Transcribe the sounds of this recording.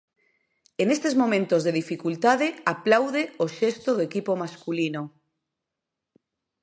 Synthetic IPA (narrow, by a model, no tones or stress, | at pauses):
enest̪ezmõ̞mẽnt̪ozðeðifikult̪aðeaplawðeoʃest̪oðoekipomaskulino